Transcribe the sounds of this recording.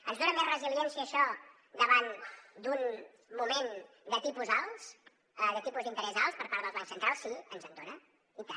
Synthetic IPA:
ənzðonəmezrəziljɛnsiəʃɔ | d̪əβand̪un | mumen | d̪ət̪ipuzalˠs | əd̪ət̪ipuzd̪int̪əɾɛzalˠspəɾpaɾðəlˠzβansənt̪ɾalˠsiənzənd̪onə | it̪a

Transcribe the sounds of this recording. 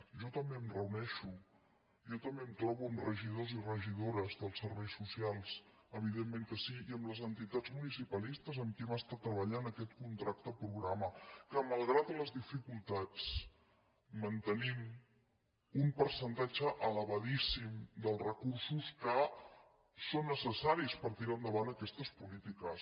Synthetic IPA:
ʒɔt̪əmbeəmrəunɛʃu | ʒɔt̪əmbemt̪ɾɔβuəmrəʒið̞ozirəʒiðoɾəzðəlˠsəɾβɛjsusialˠs | əβiðemːẽŋkəsiiəmləzənt̪it̪ad͡zmunisipəlist̪əzəmkɛmast̪at̪ːɾəβəʎanəkɛt̪kunt̪ɾak̚t̪əpɾuɣɾaməkəməlˠɣɾat̪ələzðifikulˠt̪at͡s | mənt̪ənim | umpəɾsənt̪ad͡ʒəʔələβəðisimd̪əlˠrəkursuskə | sonːəsəsaɾispəɾt̪iɾaənd̪əβanəkɛst̪əspulit̪ikəs

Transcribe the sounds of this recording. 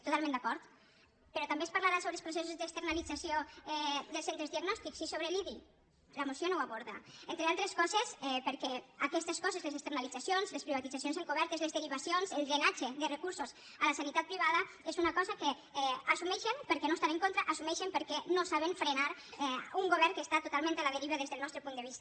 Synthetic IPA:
t̪ut̪almẽnd̪akɔɾt̪ | peɾɔt̪ambespaɾlaɾasoβɾelspɾoses̬uzd̪est̪əɾnalid͡zasioɛðəlsent̪ɾezðiaɡnɔst̪iksisoβɾeliði | lamosionowaβoɾða̰ent̪ɾealˠt̪ɾeskɔzesɛpəɾkɛakɛst̪eskɔzezlezekst̪eɾnalid͡zasjonzlespɾiβat̪id͡zasjonsaŋkuβɛɾt̪ezlezðeɾiβasionselˠɣɾenad͡ʒeðərekuɾsos | alasanit̪at̪̚pɾiβaðɐ | ezunakɔzake | ɛasumɛʃempəɾkɛnost̪anẽŋkont̪ɾaʔasumɛʃempəɾkɛnosaβenfɾenaɾɛuŋɡoβɛɾŋkest̪at̪ot̪alˠmẽnt̪alaðeɾiβəðezðəlˠnɔst̪ɾepund̪əβist̪a

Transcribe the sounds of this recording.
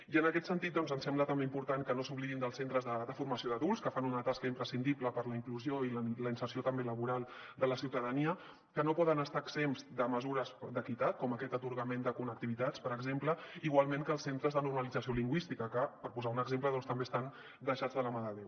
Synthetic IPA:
iənəkɛt̪sənt̪it̪̚d̪ɔnzənsɛmblət̪əmbeimpuɾt̪aŋkənosuβliðind̪əlˠsent̪ɾəzðəd̪əfuɾməsioðəðulˠskəfanunət̪askəimpɾəsind̪ipləpəɾləiŋkluzioiləinsərsiot̪əmbeləβuɾalˠ | d̪ələsiwt̪əðəniə | kənopɔðənəst̪aəksemzd̪əməzuɾəsd̪əkit̪at̪̚kɔməkɛt̪ət̪uɾɣəmend̪əkunək̚t̪iβit̪at͡spəɾəɡzempləiɣwalˠmẽŋkəːlˠsent̪ɾəzðənuɾməlid͡zəsioliŋɡwist̪ikəkəpəɾpuzaunəɡzempləðɔnst̪əmbeəst̪an | d̪əʃad͡zðələmaəðew

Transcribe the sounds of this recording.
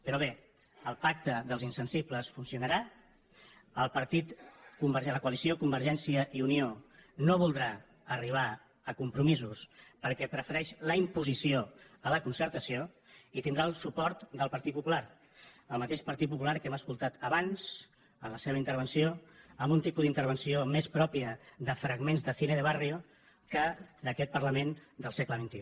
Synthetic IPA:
pəɾɔβ̞e | əlˠpak̚t̪əðəlˠzinsənsipləsfunsiunəɾa | əlˠpəɾt̪it̪kumbəɾʒɛləkuəlisiokumbəɾʒɛnsiəʔiunionoβ̞ulˠd̪ɾa | əriβ̞a | əkumpɾumizuspəɾkɛpɾəfəɾɛʃləimpuzisio | ələkunsəɾt̪əsio | it̪ind̪ɾalˠsupɔɾt̪d̪əlˠpəɾt̪it̪pupulaɾ | əlˠmət̪eʃpəɾt̪it̪̚pup̬ulaɾkɛmaəskulˠt̪at̪əβanz̥ | ənləseβəint̪əɾβ̞ənsioəmbunt̪ipuzðint̪əɾβ̞ənsiomespɾɔpiəðəfɾəɡmenzðəθineðəβario | kəd̪əkɛt̪̚pərləmend̪əlˠsɛkləβ̞int̪iu

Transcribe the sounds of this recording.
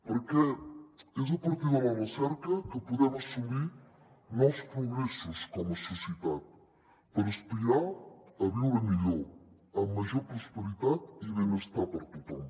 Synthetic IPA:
poɾkɛ | ez̬upoɾt̪iðalɐresɛɾkɐkəpuðɛmasːumi | nɔwspɾoɣɾɛsoskɔmososjet̪at̪̚ | pəɾespiɾaɐβuwemiʎo | ɐmaʒoɾpɾospeɾit̪at̪iβenest̪apɐɾt̪ut̪om

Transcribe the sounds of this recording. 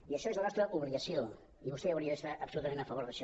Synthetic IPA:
iəʃɔezlənɔst̪ɾəʔuβliəsjo | iβust̪ɛawɾiəðəst̪aʔəpsulut̪əmẽnəfəβoɾðəʃɔ

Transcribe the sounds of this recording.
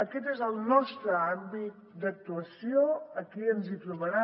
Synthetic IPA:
əkɛt̪ezəlˠnɔst̪ɾəambit̪̚d̪ək̚t̪uəsioəkiənzit̪ɾuβəɾa

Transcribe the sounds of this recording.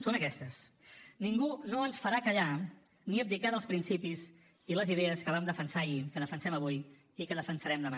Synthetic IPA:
sonəkɛst̪əsniŋɡunoənsfəɾakəʎa | niəp̚d̪ikaðəlˠspɾinsipiz | iləziðɛəskəβamd̪əfənsaikəðəfənsɛməβ̞uj | ikəðəfənsəɾɛmd̪əma

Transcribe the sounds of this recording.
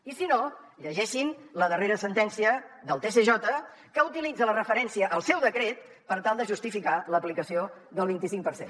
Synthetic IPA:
isino | ʎəʒɛʃinləðəreɾəsənt̪ɛnsiəðəlˠt̪esəʒɔt̪ə | kəut̪ilid͡zələrəfəɾɛnsiəʔːlˠsɛwðəkɾet̪ | pəɾt̪alˠd̪əʒust̪ifikaləplikəsio | ðəlˠβint̪isiŋk̚pəɾsḛn

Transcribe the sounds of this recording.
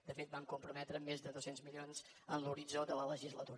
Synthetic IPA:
d̪̥əfet̪̚bamkumpɾumɛt̪ɾəmezðəðosenzmilionz | ənluɾid͡zod̪ələləʒizlət̪uɾ

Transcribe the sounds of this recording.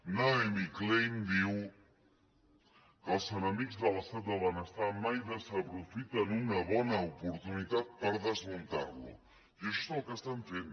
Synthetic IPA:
naemiklejmd̪iw | kəlˠsənəmikzðələst̪at̪̚d̪əβanəst̪amajðəsəpɾufit̪ənunəβɔnəupuɾt̪unit̪at̪̚pəɾðəzmunt̪a̰ɾlṵ | jəʃɔst̪əlkəst̪aɱfen

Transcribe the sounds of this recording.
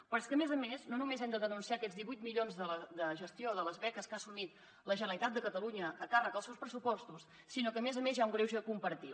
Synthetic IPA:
pəɾskəmezəmeznonumezɛmd̪əðənunsiakɛd͡zzðiβujt̪miʎonzðələd̪əʒəst̪ioðələzβɛkəskasumit̪̚ | ləʒənəlit̪at̪̚d̪əkət̪əluɲəːkarəkəlˠsɛwspɾəsupɔst̪us | sinokəmezəmezjauŋɡɾewʒəkumpəɾt̪i

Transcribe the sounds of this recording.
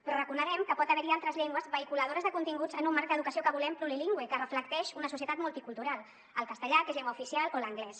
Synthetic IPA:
pɾɔrəkunəɣ̞ɛmkəpɔt̪əβɛɾialˠt̪ɾəzʎɛŋɡwəzβəikuləð̞oɾəzðəkunt̪iŋɡud͡zənumːaɾk̚d̪əðukəsiokəβulɛmpɾuliliŋɡwekərəfləkt̪ɛʃunəsusiət̪at̪mulˠt̪ikulˠt̪uɾalˠ | əlˠkəst̪əʎakezʎɛŋɡwaufisialoləŋɡlɛs

